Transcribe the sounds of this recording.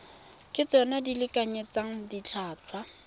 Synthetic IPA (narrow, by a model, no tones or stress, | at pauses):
kʼɪt͡sɔnadilɪkʼaɲet͡saŋ̩dit͡ɬʰaːt͡ɬʰwa